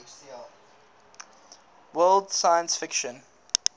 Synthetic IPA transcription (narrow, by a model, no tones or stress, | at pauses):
wɜːldsajə̃nsfɪkʃə̃n